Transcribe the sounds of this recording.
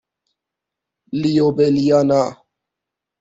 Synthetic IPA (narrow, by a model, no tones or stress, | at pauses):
liobelijana